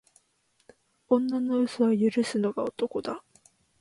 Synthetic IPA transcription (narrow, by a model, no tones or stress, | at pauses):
õnːano̞ɯ̟soβajɯ̟ɾɯ̟sɨnoɡaot̪oko̞d̪a